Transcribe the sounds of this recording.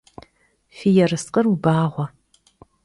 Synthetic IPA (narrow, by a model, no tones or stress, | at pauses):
fijɛrɨsqʼərubaːʁʷɔ